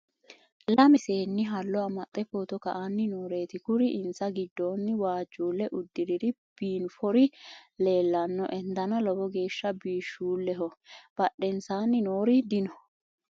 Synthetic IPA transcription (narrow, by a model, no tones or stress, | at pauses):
lɐmɛse̞ːnːɪɦɐlːɔɐmːɐt̪ʼːɛfoːt̪ɔkɐʔanːɪnoːɾe̞ːt̪ɪkʊɾɪʔɪnsɐɡɪd̪ːoːnːɪwaːd͡ʒːuːlːɛʔʊd̪ːɪɾɪd̪ɪ | b̥iːnfɔɾɪle̞ːlːɐnːɔ̰ʔɛnd̪ɐnɐlɔbɔɡe̞ːʃːɐbiːʃːuːlːɛɦɔb̥ɐɗːɛnsaːnːɪnoːɾɪd̪ɪnɔ